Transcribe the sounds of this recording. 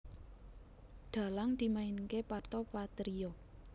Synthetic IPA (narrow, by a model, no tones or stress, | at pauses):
ɖ̪̥a̤laŋd̪̥i̤mainkepart̪ɔpat̪ɾiɔ